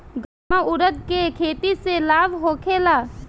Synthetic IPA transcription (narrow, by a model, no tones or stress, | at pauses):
ɡamaʔʊɾət̪̚kekʰeːt̪iselaːbɦoːkʰeːlaː